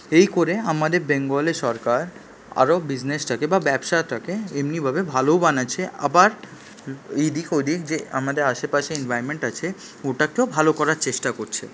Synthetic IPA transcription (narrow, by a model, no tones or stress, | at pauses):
ejkoɾeamad̪eɾbeŋɡoleʃɔɾkaɾ | a̰ɾobid͡ʑnesʈʰakebabɛbʃaʈʰakeemnibʱabebʱalobanaːt͡ɕʰeʔa̰baɾ | id̪ikojd̪ʱikd͡ʑea̰mad̪eɾaʃepaʃeinvʱajmeɳʈat͡ɕʰe | oʈakeobʱalokɔɾaɾt͡ɕeʃʈakoɾt͡ɕʰḛ